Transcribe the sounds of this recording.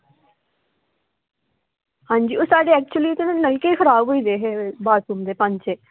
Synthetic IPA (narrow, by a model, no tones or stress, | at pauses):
hãːɲd͡ʒiːoːsaːɖeːɛːk̚t͡ʃʊəliːʊt̪enũːnəlkeːkʰəɾaːbɦoːiːd̪eːɦeːbaːpuːmd̪eːpə̃ɲt͡ʃeː